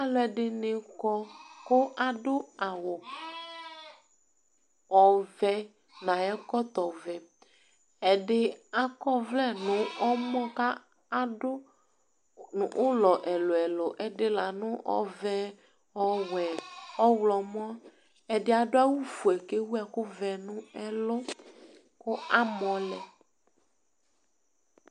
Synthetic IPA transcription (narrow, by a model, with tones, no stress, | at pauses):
a˨lʊ˦ɛ˨ɖɪ˦nɪ˨kɔ˦kʊ˦ʔa˨ɖʊ˦a˨wʊ˨ | ɔ˨vɛ˦ | nã˨ɛ˦kɔ˦t̪ɔ˨vɛ˨ | ɛ˨ɖɪ˦a˨kɔ˦vlɛ˦nʊ̃˨ɔ˦mɔ̃˦ka˦ | a˨dʊ˦ | nʊ̃˨ʔʊ˦lɔ˨ʔɛ˨lʊ˨ɛ˨lʊ˨ʔɛ˦dɪ˦la˨nʊ̃˦ʔɔ̰˦vɛ˦ | ɔ˦wɛ˨ɔ˦wlɔ˨m˦ɔ̃˦ | ɛ˨dɪ˦a˨dʊ˦a˦wu˦vu˨ɛ˨ke˦wu˦ɛ˨kʊ˦vɛ˨nʊ̃˦ɛ˦lʊ˦ | kʊ˦a˦mɔ̃˨lɛ˨